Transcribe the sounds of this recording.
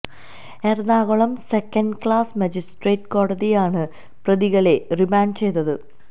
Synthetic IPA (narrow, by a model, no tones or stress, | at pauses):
ernaːɣoɭɐmsekːɐnɖkɭaːsmɐd͡ʑisʈreːʈːko̞ːɽɐðijaːɳɨ | prɐðiɣɐɭe̞rimaːɳɖt͡ɕe̞jt̪ːɐðɨ